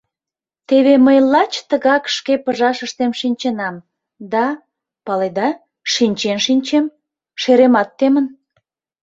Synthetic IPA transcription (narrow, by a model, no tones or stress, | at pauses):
t̪eβeməjlɑt͡ɕt̪əɣɑkʃkepəʒɑʃəʃt̪emʃinʲt͡ɕənɑm | d̪ɑ | pɑled̪ɑ | ʃinʲt͡ɕenʃinʲt͡ɕem | ʃeɾemɑt̪ːemən